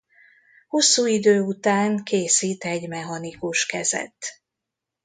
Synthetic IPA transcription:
hosːuːid̪øːut̪aːŋkeːsiːt̪ɛɟmɛɦɒnikuʃkɛzɛ̰t̪ː

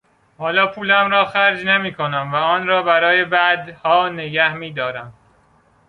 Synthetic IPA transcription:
hɒːlɒːpʰuːlæmɾɒːxæɾd͡ʒnemiːkʰo̞næmvæɒːnɾɒːbæɾɒːje̞bæd̪hɒːneɟæhmiːd̪ɒːɾæm

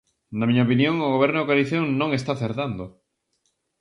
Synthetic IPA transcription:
nɐmiɲaopinjoŋʊɣoβ̞ɛɾnʊkaliθjoŋnõŋes̬t̪aθeɾðand̪o

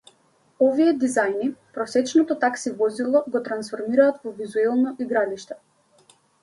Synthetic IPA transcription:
ɔviɛd̪izajnipɾɔsɛt͡ʃnɔt̪ɔt̪aksivɔzilˠɔɡɔt̪ɾansfɔɾmiɾaːt̪vɔvizuɛlˠnɔʔiɡɾaliʃt̪ɛ

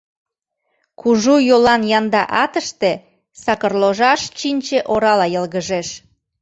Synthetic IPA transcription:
kuʒujolɑnjɑnd̪ɑʔɑt̪əʃt̪e | sɑkərloʒɑʃt͡ɕinʲt͡ɕeʔoɾɑlɑjəlɣəʒeʃ

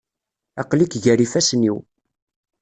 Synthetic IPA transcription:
ɑqlikʝæɾifæsniw

